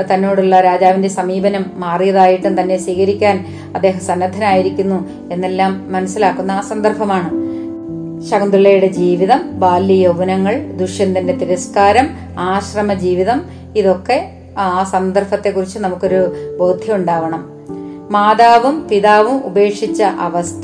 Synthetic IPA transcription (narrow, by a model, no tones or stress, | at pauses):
t̪ɐnːo̞ːɽuɭːɐɾaːd͡ʑaːʋinde̞sɐmiːbɐnɐmːaːrijɐðaːjiʈːunt̪ɐnːe̞siːɣɐɾikʲːaːn | ɐd̪ːe̞ːɦɐmsɐnːɐd̪ʱːɐnaːjiɾikʲːunːu | e̞nːe̞lːaːmːɐnɐsːilaːkːunːaːsɐnd̪ɐrfɐmaːɳɨ | ɕɐɡɐnd̪ɾuɭɐjuɽe̞d͡ʑiːʋiðɐmbaːlːijɐʋunɐŋːɐɭd̪uʂjɐnd̪ɐndet̪iɾɐskaːɾɐm | aːɕrɐmɐd͡ʑiːʋiðɐm | iðo̞kːe̞ | aːsɐnd̪ɐrfɐt̪ːe̞kːurit͡ɕːɨnɐmukːo̞ɾubo̞ːd̪ʱjɐmuɳɖaːʋɐɳɐm | maːd̪aːʋumpiðaːʋumube̞ːkʂit͡ɕːɐʔɐʋɐst̪ʰɐ